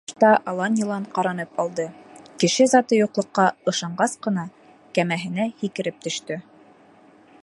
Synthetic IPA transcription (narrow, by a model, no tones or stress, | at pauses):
t̪ɑʔɑlˠɑnjɤ̆lˠɑɴqɑɾɑnɤpɑlˠd̪ɤkɘ̆ʃɘzɑt̪ɤjuqlˠɤ̆qːɑɤ̆ʃɑɴɢɑsqɤ̆nɑ | kæmæɦɘ̆næhikɘ̆ɾɘp̚t̪ɵ̆ʃt̪ɵ